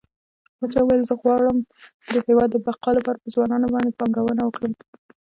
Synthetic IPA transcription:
mat͡sɑuwajəlzəɣwɑɽəmd̪əhewɑd̪ːəbaqɑlapɑɾapəzwɑnɑnobɑnd̪epɑŋɡawənawəkɽəm

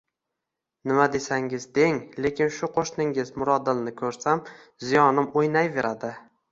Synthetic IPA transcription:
nɪmad̪e̞saŋɪzd̪e̞ŋle̞kʲɪnʃʊqʰoʃnɪŋɪzmʊɾɒd̪ɪlnɪkʰɵɾsam | zɪjɒnɪmojnajve̞ɾʔad̪ɪ

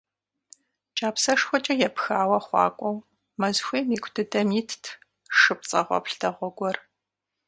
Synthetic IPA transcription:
t͡ʃʼaːpsɐʂxʷɔt͡ʃʼɐjɛpxaːwɐχʷɑ̰ːkʷʼɔw | mɐzxʷeːmiːkʷʰtʰɨdʰɐmiːtʰtʰ | ʂɨp̚t͡sʼɐ̰ʁʷɔ̰pɬtʰɐʁʷɔɡʷɔr

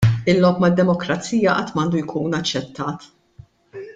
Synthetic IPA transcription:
ɪlːɔpmɐd̪ːɛmɔkɾɐt͡siːjɐʔɐt̪mɐɐːnd̪ujkʰuːnɐt͡ʃːɛt̪ːɐːt̪

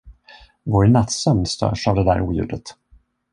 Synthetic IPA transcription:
vɔɾnat̪sœmnst̪ʰœ̰ːʂavd̪ɛd̪æ̰ːɾuːjʉ̟ːd̪ət̪

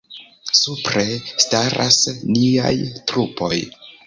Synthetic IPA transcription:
supɾe̞staɾʔa̰snia̰jtɾupo̞j

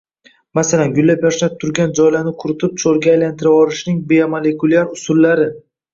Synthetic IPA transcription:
masalanɡʊlːapjaʃlat̪ʰʊɾɡʲand͡ʒɒjlanɪkʰʊɾɪt̪ʰɪp̚t͡ʃʰoɾɡʲaːjlant̪ʰɪɾavɒɾɪʃnɪŋbeamole̞kʰʊlˠiaɾʊsʊlːaɾɪ

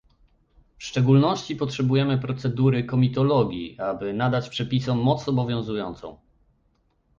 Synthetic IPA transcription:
fʂt͡ʂɛɡulnɔɕt͡ɕipɔtʂɛbujɛmɘpɾɔt̪sɛd̪uɾɘkɔmʲit̪ɔlɔɡʲḭabɘnad̪at͡ɕpʂɛpʲisɔ̃ːɔt̪sɔbɔvʲjɔ̃w̃zujɔnt̪sɔ̰̃w̃

